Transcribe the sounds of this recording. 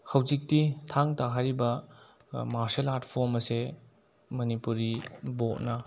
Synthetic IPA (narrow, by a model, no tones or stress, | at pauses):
hɐwzik̚titʰaŋtaɦaɾibɐ | maɾselatpʰoɾmɐse | mɐnipuɾibot̚nɐ